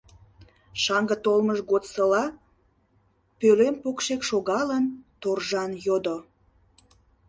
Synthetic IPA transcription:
ʃɑŋɡət̪olməʃɣot̪səlɑ | pølempokʃekʃoɣɑlənt̪orʒɑnjod̪o

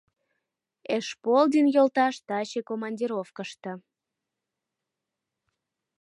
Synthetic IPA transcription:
eʃpold̪ʲinjolt̪ɑʃt̪ɑɕekomɑnʲdʲiɾofkəʃt̪ə̆

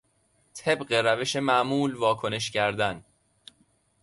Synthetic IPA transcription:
t̪ʰe̞bɢeɾæve̞ʃe̞mæʔmuːlvɒːkʰo̞ne̞ʃcʰæɾd̪æn

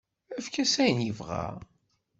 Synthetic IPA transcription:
æfkæsæjənjəvʁa̰

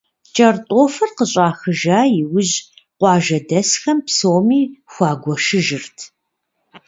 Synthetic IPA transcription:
t͡ʃʼɐrtʼoːfɐrqəɕʼɑːxɨʒaːjɪwʊʑqʷɑːʒɐdɐsxɐmpsoːmiːxʷɑːɡʷɔʃɨʒɨrtʰ

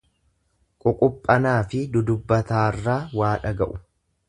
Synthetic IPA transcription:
kʼʊkʼʊpʼːɐnaːfɪd̪ʊd̪ʊbːɐt̪aːrːaːwaːᶑɐɡɐʔʊ

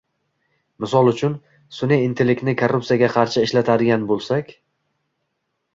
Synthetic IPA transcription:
mɪsɒlˠʊt͡ʃʰʊn | sʊneint̪ʰelɪk̪ʲnɪkʰorːup̚tsijaɡʲaqʰɑɾʃɪɪʃlat̪ʰad̪ɪɡʲanbolˠsakʲ

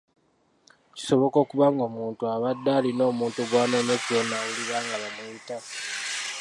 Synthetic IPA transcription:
ci̥so̞βo̞ko̞kuβaŋɡomuːntuaβadːaːlino̞ːmuːntuɡwaːneɲokulonauliβaːŋɡaβamuita

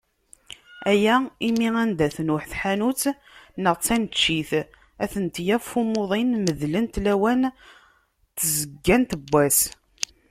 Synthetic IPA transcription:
æjæimiænd̪æθnʊħθħanut͡s | nəʁt͡sːænt̪t͡ʃːiθ | æθənt̪jæffumoðˤinməðlənt̪læwæn | t̪ːzəɡːænt̪əbːæs

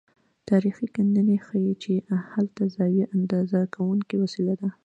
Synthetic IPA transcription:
t̪ɑɾixikanənexajit͡ʃehalt̪azɑjiʔand̪ɑzakʰawuŋkiwasilad̪a

